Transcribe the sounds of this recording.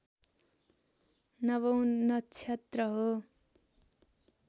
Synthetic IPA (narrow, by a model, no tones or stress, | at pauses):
nʌβʌ̃w̃nʌt͡sʰjet̪rʌɦo